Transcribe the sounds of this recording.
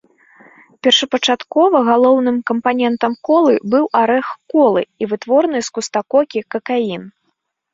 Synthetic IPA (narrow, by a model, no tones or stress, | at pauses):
pʲɛrʂɐpɐt͡ʂat̪kɔvɐɣalˠɔwnɨmkɐmpanʲɛnt̪ɐmkɔlˠɨbɨwaɾɛxkɔlˠɨivɨt̪vɔrnɨjskust̪akɔkʲikɐkain